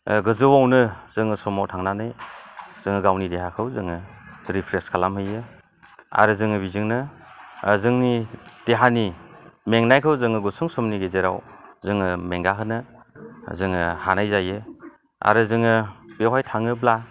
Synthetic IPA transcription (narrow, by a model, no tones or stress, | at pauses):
ɡɯzɯwawnɯz̥ɯŋɯsɔmawtʰaŋnanɯjz̥ɯŋɯɡawnideɦakʰɯwzɯŋɯ | ɾipʰɾeskʰalamɦɯjɯ | a̰ɾɯzɯŋɯbizɯŋnɯ | zɯŋnid̥eɦanimeŋnajkʰɯwzɯŋɯɡɔsuŋsɔmniɡezeɾa̰wzɯŋɯmeŋɡaɦʰɯnɯ | zɯŋɯhanajzajɯ | a̰ɾɯzɯŋɯb̥ewɦajtʰaŋɯbla